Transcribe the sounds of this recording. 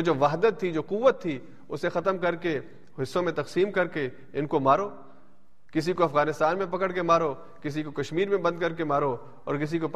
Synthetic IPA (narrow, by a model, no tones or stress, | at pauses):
od͡ʒoːʋaːɦd̪ət̪ʰːid͡ʒoːquʋːət̪ʰːi | ʊsexɐt̪əmkɐɾke | ɦɪsːõmẽt̪ɐqsiːmkɐɾke | ɪnkomaːɾoː | kɪs̬ikoɐfɣaːnɪst̪aːnmẽpɐkəɽkemaːɾo | kɪs̬ikokɐʃmiːɾmẽbɐ̃nd̪̚kɐɾkemaːɾo | ɔːɾkɪs̬ikop